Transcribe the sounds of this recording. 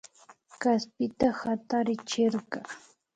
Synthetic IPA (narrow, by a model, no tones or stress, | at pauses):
kaspɪt̪ahat̪aɾɪt͡ʃɪɾɢɑ